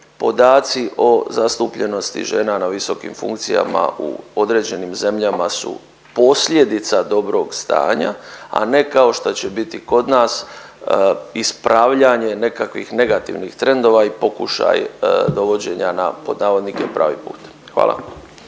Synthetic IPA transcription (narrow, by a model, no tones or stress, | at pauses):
po̞d̪aːt̪siʔo̞zast̪upʎe̞no̞st̪ḭʒe̞ːnanaʋiso̞kḭmfṵŋkt̪sija̰ma̰ṵo̞d̪ɾe̞ːd͡ʑe̞nimze̞mʎamasṵ | po̞sʎʲed̪it̪sad̪o̞bɾo̞ːɡst̪a̰ːɲa̰a̰ne̞kao̞ʃt̪ot͡ɕe̞bit̪iko̞d̪naːs | ispɾaʋʎaɲe̞ne̞kakʋḭxne̞ɡat̪ḭʋnixt̪ɾe̞nd̪o̞ʋaipo̞kuʃa̰jd̪o̞ʋo̞d͡ʑe̞ɲana̰po̞̰d̪naːʋo̞d̪nikepɾa̰ːʋḭpuːt̪ | xʋa̰ːla̰